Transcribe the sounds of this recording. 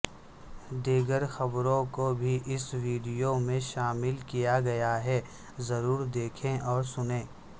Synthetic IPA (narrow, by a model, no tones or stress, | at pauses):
d̪iːɡəɾxɐbɾõkobʱiʔɪswiːɖijomẽʃaːmɪlkijaɡɐjaɦɛ | zɐɾuːɾd̪eːkʰẽʔɔːɾsʊnẽː